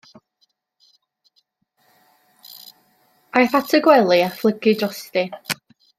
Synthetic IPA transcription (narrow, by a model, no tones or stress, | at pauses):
ajθatʰəɡwɛlˠiaflˠəɡɨdrɔsti